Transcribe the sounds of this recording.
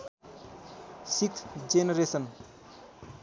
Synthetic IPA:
sikʰd͡zenʌɾesʌn

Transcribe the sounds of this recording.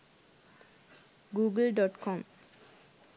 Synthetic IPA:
ɡuɡlɖɔʈkʰɔm

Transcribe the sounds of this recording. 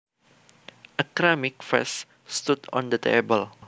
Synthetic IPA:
ʔəkɾamɪk̚fɛ̰s | st̪udɔ̰̃nd̪ət̪ʰḛbəl

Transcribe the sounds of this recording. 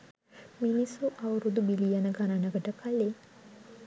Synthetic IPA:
minisuʔɐʋɐɾud̪ubilijɐnɐɡɐnɐnɐɡɐʈɐkɐlːe

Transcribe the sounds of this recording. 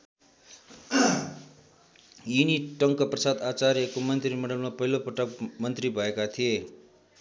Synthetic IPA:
juniʈʌŋkʌprʌsad̪at͡saɾjʌkomʌnt̪rimʌɽʌlmapʌɦilopʌʈʌkmʌnt̪ribʱʌekat̪ʰije

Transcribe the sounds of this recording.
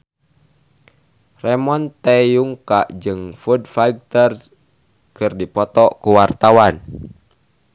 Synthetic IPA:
rɛmɔnt̪ɛjuŋkaʔd͡ʒɨŋfudfaiɡ̚t̪ər | kɨrdipɔt̪ɔʔkuwart̪awan

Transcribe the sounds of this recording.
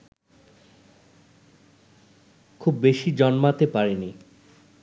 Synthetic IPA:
kʰubːeʃid͡ʑɔnmat̪epaɾeni

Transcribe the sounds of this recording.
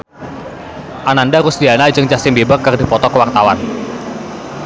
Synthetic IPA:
ʔanandaɾʊsdianad͡ʒɨŋt͡ʃasɪŋbebərkərdipɔt̪ɔkəwart̪awa̰n

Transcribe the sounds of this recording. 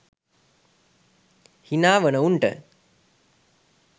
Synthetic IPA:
hinaːʋənəuɳʈə̰

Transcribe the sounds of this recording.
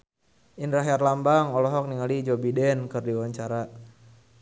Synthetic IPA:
ʔinraɦjarlambaŋɔlɔɦɔk̚niŋalid͡ʒobidɛnkɨrdiwaɲt͡ʃaɾa

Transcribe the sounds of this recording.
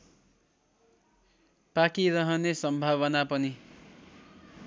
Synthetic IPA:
pakiɾʌɦʌnesʌmbʱaβʌnapʌni

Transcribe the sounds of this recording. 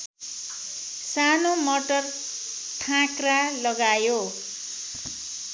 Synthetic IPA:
sanomʌʈʌr | ʈʰãkralʌɡajo

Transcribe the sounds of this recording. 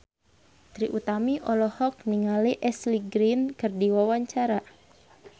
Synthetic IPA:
t̪ɾiʔut̪amiʔɔlɔhɔk̚niŋaliʔɛsliɡɾinkɨrdiwawaɲt͡ʃaɾa

